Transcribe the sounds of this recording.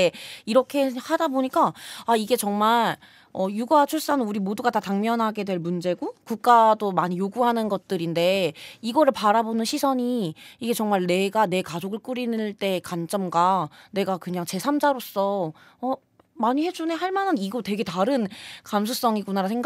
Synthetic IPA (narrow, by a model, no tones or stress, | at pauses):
eiɾʌkʰe̞hadaboɲik͈aaiɡe̞t͡ɕʌŋmaɭ | ʌjuɡat͡ɕʰuɭs͈anɯnuɾimoduɡatataŋmjʌnɦaɡe̞dwe̞ɭmund͡ʑe̞ɡokuk̚k͈adomaɲijoɡuɦanɯnɡʌt̚t͈ɯɾinde̞iɡʌɾɯɭpaɾabonɯnɕʰisʰʌɲiiɡe̞t͡ɕʌŋmaɭne̞ɡane̞kad͡ʑoɡɯɭk͈uɾinɯɭt͈e̞kant͡ɕ͈ʌmɡwane̞ɡakɯɲaŋt͡ɕe̞sʰamd͡ʑaɾos͈ʌ | ʌ | maɲihe̞d͡ʑune̞ɦaɭmanɯniɡotwe̞ɡe̞taɾɯnkamsʰus͈ʌŋiɡunaɾasʰeŋɡ